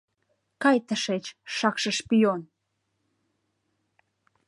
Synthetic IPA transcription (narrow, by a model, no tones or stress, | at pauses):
kɑjt̪əʃet͡ɕʃɑkʃəʃpijon